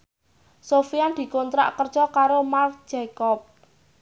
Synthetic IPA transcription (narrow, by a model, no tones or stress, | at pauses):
sofiand̪̥i̤kont̪ɾa̰ʔkərdd͡ʒ̥ɔkaɾomark̚dd͡ʒ̥ekɔp̚